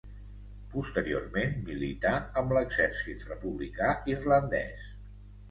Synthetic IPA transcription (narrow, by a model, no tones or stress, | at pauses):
pust̪əɾio̰rmenmilit̪aəmbləɡzɛɾsit̪rəpuβlikairlənd̪ɛ̰s